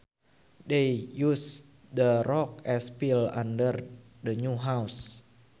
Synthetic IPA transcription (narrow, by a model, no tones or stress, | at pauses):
dejus | dərɔk̚ɛspilã̰ndər | dəɲuɦaws